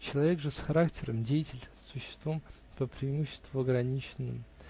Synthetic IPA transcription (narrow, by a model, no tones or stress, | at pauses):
t͡ɕɪlˠɐvʲeɡʐɨsxɐɾaktʲɪɾəmdʲejɪtʲɪlʲsʊɕːɪ̥st̪vom | pəpɾʲɪːmuɕːɪ̥st̪vʊɐɡɾɐnʲit͡ɕɪnːɨ̰m